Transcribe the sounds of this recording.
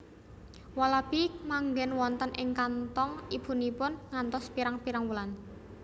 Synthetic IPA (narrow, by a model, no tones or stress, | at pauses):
walab̥imaŋɡɛnwɔnt̪ənʔɪŋkant̪ɔŋib̥ṳnipʊnŋant̪ɔspiɾaŋpiɾaŋwulan